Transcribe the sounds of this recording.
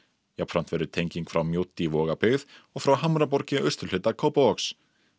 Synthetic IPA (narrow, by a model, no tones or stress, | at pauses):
japfɾan̥t̪vɛɾʏt̪ʰejɲciŋkfɾawmjoːwt̪ːivɔːɣapʏɣðɔɣfɾawɦamɾap̬ɔɾcɪʔœɥ̥st̪ʏl̥ʏt̪akʰowpaɔks